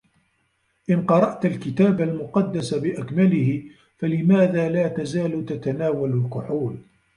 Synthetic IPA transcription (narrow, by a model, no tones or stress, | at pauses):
ʔɪnqɑɾˤɑʔt̪alkɪt̪aːbalmʊqɑd̪ːasabɪʔakmalɪhɪ | falɪmaːðaːlaːt̪azaːlt̪at̪anaːwalalqʊħuːl